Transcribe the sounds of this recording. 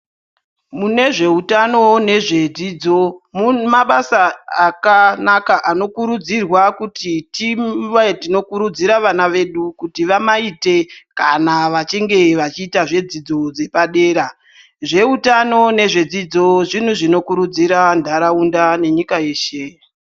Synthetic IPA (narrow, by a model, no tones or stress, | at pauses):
mune̞ʐe̞utano̞ne̞ʐe̞d͡ziːd͡zo̞mumaɓasaakanakaʔano̞kuɾud͡zirwakutitiwatino̞kuɾud͡ziɾaʋanaʋe̞ɗukutiʋamaite̞kanaʋat͡ʃiŋɡe̞ʋat͡ʃiːtaʐe̞d͡zid͡zo̞d͡ze̞paɗe̞ːɾa | ʐe̞utano̞ne̞ʐe̞d͡zid͡zo̞ʐin̤uʐino̞kuɾud͡ziɾandʱaɾaundane̞ɲikae̞ːʃe